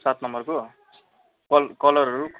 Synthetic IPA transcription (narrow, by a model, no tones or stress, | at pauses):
sat̪nʌmbʌrko | kʌlkʌlʌɾɦʌɾuk